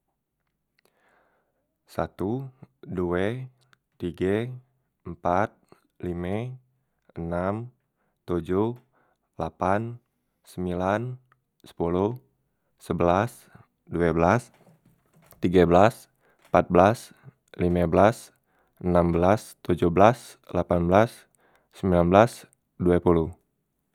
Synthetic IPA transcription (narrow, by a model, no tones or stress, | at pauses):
sa̰t̪uduɛ | t̪iɡa | mpat̪̚ | limɛ | ənam | t̪ud͡ʒuh | lapan | səmbilan | sə̥puluh | səbəlas | duabəlas | t̪iɡabəlas | əmpat̪̚bəlas | limabəlas | ənambəlast̪ud͡ʒuhblas | lapanbəlasː | əmilanbəlas | duapuluh